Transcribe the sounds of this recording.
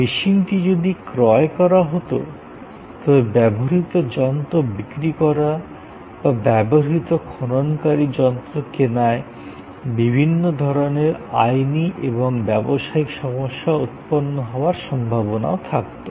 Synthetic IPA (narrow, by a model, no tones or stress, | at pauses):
biʃinʈid͡ʑod̪ikɾɔekɔɾaɦot̪o̰ | t̪ɔbebɛboɾit̪od͡ʑɔnt̪obikɾikɔɾa | babɛboɦit̪okʰononkaɾid͡ʑɔnt̪ɾokenae | bibʱinːod̪ʱɔɾoneɾa̰jniʔeboŋbɛboʃaikʃɔmoʃːaut̪̚ponːoɦɔoaɾʃɔmbʱabona̰ot̪ʰak̚t̪o